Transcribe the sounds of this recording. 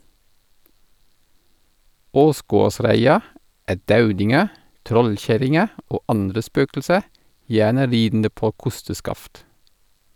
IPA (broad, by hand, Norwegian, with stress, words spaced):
ˈoːˌsɡoːˌsɾæɪɑ ˈæː ˈdɑʉdɪŋə ˈtɾɔlˌçæɾɪŋə ˈoː ˈɑndɾə ˈspøːkl̩sə ˈjæːnə ˈɾiːdn̩də ˈpoː ˈkʊstəˌskɑft